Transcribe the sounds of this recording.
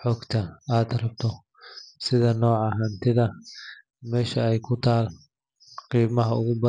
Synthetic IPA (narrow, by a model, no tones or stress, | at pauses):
ħɔːɡt̪ʰɐaːd̪rɐb̚t̪ʰɔ | sɪðɐnɔːʕɑɦaːnt̪ʰɪðɐ | mɛːʃɐɛjkʰʊt̪ʰaːl | qiːmɐɦɐʊɣʊbɐ